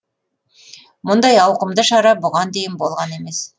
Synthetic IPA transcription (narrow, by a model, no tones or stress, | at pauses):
mʊnd̪ɑjɑwqəmd̪əʃɑɾɑbʊʁɑnd̪e̞jɪnbo̞lˠʁɑne̞me̞s